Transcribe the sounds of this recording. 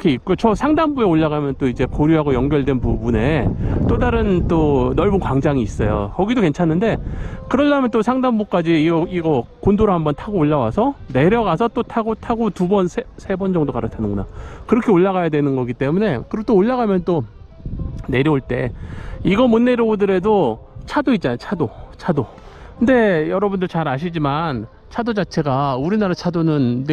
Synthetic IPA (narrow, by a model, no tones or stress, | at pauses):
kʰe̞ik̚k͈ojot͡ɕʌsʰaŋdambueoɭːaɣamjʌnt͈oid͡ʑe̞poɾjuɦaɡojʌŋɡjʌɭdwe̞npubune̞t͈odaɾɯnt͈onʌɭbunkwaŋd͡ʑaŋiːs͈ʌjo̰kʌɡidoke̞nt͡ɕʰanːɯnde̞kɯɾʌdamjʌnt͈osʰaŋdambuk͈ad͡ʑiiɡʌkondoɾahambʌntʰaɡoːɭːawasʰʌne̞ɾjʌɡasʰʌt͈otʰaɡotʰaɡotubʌnsʰesʰe̞bʌnd͡ʑʌŋdokaɾɯtʰanɯnŋɡʌɲakɯɾʌkʰeoɭːaɣajadwe̞nɯnɡʌɡit͈e̞mune̞kɯɾʌt͈oːɭːaɣamjʌnt͈o | ne̞ɾjʌoɭt͈e̞iɡʌmunːe̞ɾjʌbudɯɾe̞dot͡ɕʰadoit̚t͡ɕ͈anajt͡ɕʰadot͡ɕʰado | kʰɯnde̞jʌɾʌbundɯɭt͡ɕaɾaɕ̬ʰid͡ʑiman | t͡ɕʰadod͡ʑat͡ɕʰe̞ɡauɾinaɾat͡ɕʰadonɯnː